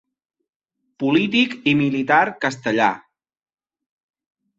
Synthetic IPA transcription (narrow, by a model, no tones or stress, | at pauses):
pulit̪̬ikimilit̪aɾkəst̪əʎa̰